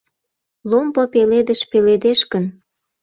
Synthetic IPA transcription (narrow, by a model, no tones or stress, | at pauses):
lompopeled̪əʃpeled̪eʃkən